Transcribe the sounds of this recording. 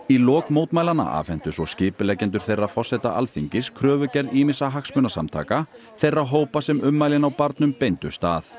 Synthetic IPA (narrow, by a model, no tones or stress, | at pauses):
ilɔːkmoːwt̪majlanːa̰ʔa̰fɛn̥t̪ʏsɔscɪːpʏlɛcɛnt̪̬ʏɾ̥θejrːafɔr̥sɛt̪a̰ʔa̰lθiɲcɪskʰɾœːvʏcɛɾiːmɪsaɦaksmʏnasa̰mt̪ʰa̰ːka | θejrːaɦoːwpasɛmʏmːaːjlɪnawpaɾt̪nʏmpejnt̪ʏ̰̥st̪aːθ